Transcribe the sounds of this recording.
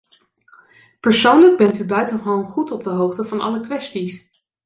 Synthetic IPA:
pəɹsownləɡ̚bɛntybœɥtənonχutɔb̚dəɦowχtəvɑnɑ̰ləkʋɛstis

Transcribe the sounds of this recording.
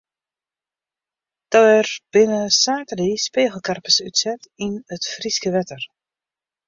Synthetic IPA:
d̥ɔwɛrb̥ɪnəsaːtədiːspeːɣəlˠkarpəsytsɛtinətfriskəʋɛtər

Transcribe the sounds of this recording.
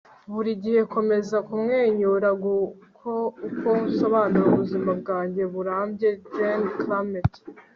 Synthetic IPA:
βuɾiɟihe̞ko̞me̞zakumŋeːɲuɾaɡukʰoukousoβaːnuuβuzimab̚ɡaːɲɟe̞βuɾaːmbje̞d͡ʒanklamet

